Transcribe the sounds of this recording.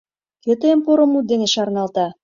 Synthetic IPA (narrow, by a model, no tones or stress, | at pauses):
køt̪ĕəmpoɾŏmut̪̚d̪eneʃɑrnɑlt̪ɑ